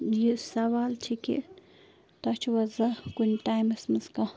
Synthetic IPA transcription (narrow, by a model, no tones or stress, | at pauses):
jisɐʋaːlt͡ʃʰikḭ | t̪ɐt͡ʃʰʋɐzɐkunʈaːjmɐsmɐzkɐ